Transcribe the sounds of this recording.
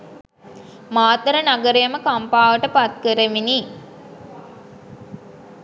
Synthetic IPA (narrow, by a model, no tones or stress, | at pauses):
maːt̪əɾənaɡəɾejəməkampaːʋəʈəpat̪kəɾəʋini